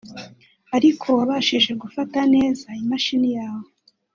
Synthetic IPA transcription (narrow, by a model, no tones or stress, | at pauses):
aɾikʰo̞βaʃiʒe̞ɡufatane̞ːzaimaʃinijaːwo